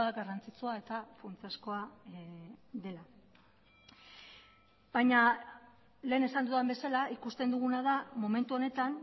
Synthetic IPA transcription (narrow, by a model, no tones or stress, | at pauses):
aɡarant͡sit͡suae̞t̪afunt͡siaskoa | ðe̞la | bajɲa | le̞ːne̞sand̪uðambe̞salaikust̪e̞nd̪uɣ̞unað̞amo̞me̞nt̪uo̞ne̞t̪an